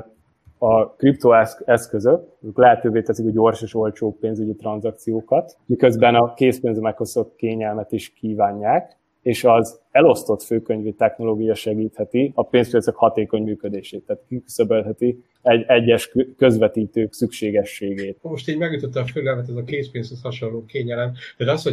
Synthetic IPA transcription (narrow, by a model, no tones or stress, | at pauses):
ɒkript̪oːɛɛskøzøkøːklɛɦɛt̪øːveːt̪ɛsikɒɟo̞rʃeːʃo̞lt͡ʃoːpeːnzyɟit̪ɾɒnzɒk̚t̪sijoːkɒt̪ | mikø̞zbɛnɒkeːspeːnzmɛkːosot̪̚keːɲɛlmɛt̪iʃkiːvaːɲːaːk | eːʃɒz | ɛlo̞st̪o̞t̪føːkøɲvit̪ɛxno̞loːɡijɒʃɛɡiːt̪hɛt̪iɒpeːnspij̪søkhɒt̪eːko̞ɲmyːkø̞d̪eːʃeːt̪ːaːt̪kiky̥søbølɦɛt̪i | ɛɟɛɟːɛʃkø̞zʋɛt̪iːt̪øːksykʃeːɡɛʃːeːɡeːt̪mo̞ʃt̪eːɲmɛɡjut̪ot̪ːɒføɡɛlmɛt̪ɛzɒkeːspeːnshøshɒʃoloːkeːɲɛlɛmt̪ɛt̪ɒsho